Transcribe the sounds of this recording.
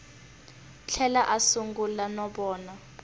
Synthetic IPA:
t͡ɬʰɛlaʔasuŋɡulanɔɓɔːna

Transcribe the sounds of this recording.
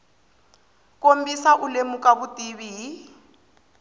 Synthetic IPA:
kombisaʔulemukʼaβutʼiβiɦi

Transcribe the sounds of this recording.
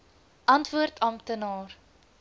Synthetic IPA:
ʔɐntvuərtʰɐmtənɑːr

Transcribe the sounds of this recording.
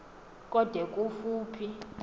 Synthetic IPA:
kʼɔd̥ʱɛkʼufuːpʰi

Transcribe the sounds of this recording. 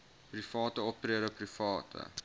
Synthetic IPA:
prifɑːtəɔp̚triəɾəprifɑːtʰə̰

